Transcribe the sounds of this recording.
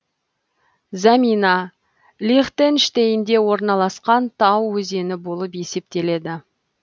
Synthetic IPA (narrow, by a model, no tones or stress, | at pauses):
zɑminɑ | lʲiχt̪enʃt̪ejɪnd̪e̞wo̞ɾnɑlˠɑsqɑnt̪ʰɑwːɵze̞nɪbolˠəpje̞se̞p̚t̪e̞le̞d̪ɪ